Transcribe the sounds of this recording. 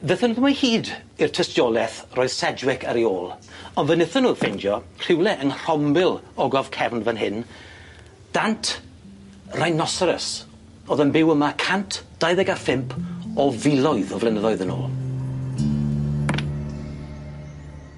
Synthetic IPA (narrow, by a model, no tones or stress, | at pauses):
ðəθənəðmahiːd | irtʰəstjɔlˠɛθroːjð̥sɛd͡ʒwɪkʰaɾioːlˠɔnvənɪθənu̥ːfejndjɔr̥ɪwlɛʔənr̥ɔmbɪlˠɔɡɔv̥kʰɛvnvənɦɪn | d̥antʰ | rajnɔsəɾəs | ɔːðənbɪwəmakʰantʰd̥ajðɛɡafɪmpʰɔvɪlˠɔɨðɔvlɛnəðɔjðəno̰ːlˠ